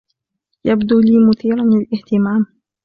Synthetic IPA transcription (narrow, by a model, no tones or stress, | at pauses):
jabd̪uːliːmʊθiːɾanlɪlʔɪht̪ɪmaːm